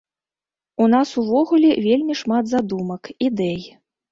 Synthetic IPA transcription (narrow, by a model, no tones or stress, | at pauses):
un̪asuvɔɣulʲɛvʲelʲmʲiʂmad̪zad̪umɐkid̪ɛj